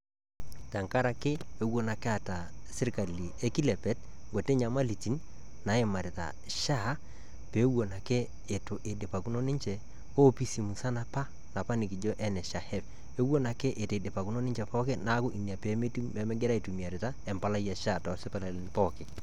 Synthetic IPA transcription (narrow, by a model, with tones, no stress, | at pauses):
ta˨ŋka˦ɾa˨kɪ˦e˦wo˦na˨ke˦a˨ta˨sɪ˦ɾka˨li˨e˦ki˦lɛ˨pɛ˦t̚ | ŋɡo˨te˦ɲa˨ma˦li˨ti˦n | na˨˦e˨ma˨ɾɪ˨ta̰˨ | ʃa˦˨˦ | peː˨˦wo˨na˨kɛː˦˨ | tʊ˨ʔe˨de˨pa˨ku˨˦no˦nɪ˦ɲt͡ʃɛ˨ | o˦pi˦si˨mu˨sa˦na˨pa˦ | na˨pa˦nɪ˨k̬i˨d͡ʒo˦ʔɛ˦nɛ˨ʃa˨hɛ˦f | e˦wo˦na˨kɛ˦ʔe˨tːde˨pa˨ku˦no˦nɪ˦t͡ʃɛ˨pɔ˦kɪ˦na˨˦ko˦ʔi˨ni˨a˨pe˨˦m˦tɛ˨˦mɛ˦ɡɛ˦ɾa˦i˨tu˨mi˨a˨ɾɪ˨ta˦ɛ˨mpa˦la˦ja˨ʃa˦˨tɔ˨sɪ˦pa˨la˨ln˨pɔ˦˨kɪ˨